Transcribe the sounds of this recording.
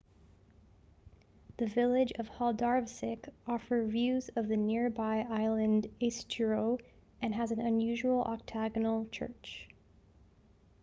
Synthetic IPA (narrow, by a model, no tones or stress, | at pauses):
ðɨvɪlˠɪd͡ʒʌv̥hɑlˠdɑɹvsɪkɔfə˞vjʉzʌvðɨnɪɹbaɪʔaɪlˠɨ̃ndeɪstʰəɹoʊ | ɨ̃nɨzɨ̃n̩ɨ̃njʉʒuwl̩ˠʔɑ̰k̚tʰæɡɨnl̩ˠt͡ʃʰɜ̰˞t͡ʃ